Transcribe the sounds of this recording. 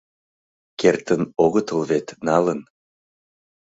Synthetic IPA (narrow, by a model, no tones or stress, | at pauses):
kert̪ənoɣət̪əlβet̪nɑlən